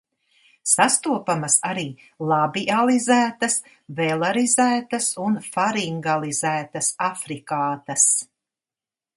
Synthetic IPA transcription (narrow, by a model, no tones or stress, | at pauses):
sast̪uɔpamɐsaɾiː | lˠabiʔalˠizæːt̪ɐs | vɛlˠaɾizæːt̪ɐsunfaɾiŋɡalˠizæːt̪ɐsafɾikaːt̪ɐs